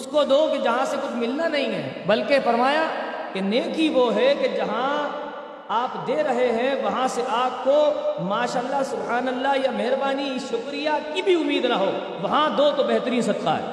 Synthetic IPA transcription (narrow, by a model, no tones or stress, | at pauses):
ʊskod̪oːked͡ʒɐɦãsekʊt͡ʃʰmɪlnanɐɦĩɦɛ̰ːbɐlkefɐɾmaːjakeneːkiʋoɦɛked͡ʒɐɦã | aːpd̪eːɾɐɦeɦɛ̃ʋɐɦãseʔaːp̚komaːʃaːəlːasʊbɦaːnəlːaɦjamɛɦɾbaːniʃʊkɾijakibʱiʊmːiːd̪nɐɦoː | ʋɐɦãd̪oːt̪obɛɦt̪əɾiːnsɐd̪qa̰ɦɛ̰ː